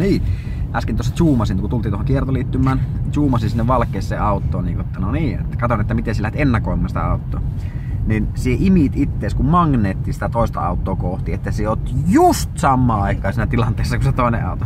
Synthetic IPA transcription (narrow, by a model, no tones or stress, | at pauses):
niː | ʔæskint̪uost̪ɑt͡ʃuːmɑsinkut̪ult̪int̪ohoŋkiert̪oliːt̪ːymːˑæːnt͡ʃuːmɑsisinːeʋʋɑlkːˑeːssḛːɑˑut̪ːo̰ːniːŋkuet̪ːænoniːḛt̪ːækɑt̪onet̪ːæmit̪enselæhet̪enːɑkoˑimːˑɑːnsi̥t̪æ̰ɑˑut̪ːo̰ː | ninsieʔimit̪it̪ːeːˑskummɑŋneːt̪ːiːnsi̥t̪æt̪oˑest̪ɑ̰ɑ̰ˑut̪ːoːkoht̪iet̪ːæseot̪just̪sɑmːɑːɑˑikːˑɑːsiːnæt̪ilɑnt̪eˑːsːɑkuset̪oˑenḛɑ̰ˑut̪o